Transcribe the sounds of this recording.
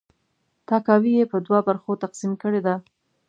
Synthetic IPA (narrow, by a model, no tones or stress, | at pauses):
t̪ɑkɑwijepəd̪wabaɾxot̪aqsimkəɽed̪a